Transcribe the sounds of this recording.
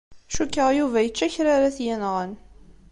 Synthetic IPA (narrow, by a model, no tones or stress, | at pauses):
ʃukːəʁjuvæjət͡ʃːæçɾaɾaθjænʁən